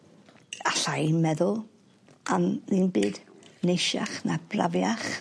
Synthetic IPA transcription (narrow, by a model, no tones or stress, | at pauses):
aɬajmɛðʊlˠ | anðiːnbɨːdnejʃa̰χnab̥ra̰vjaχ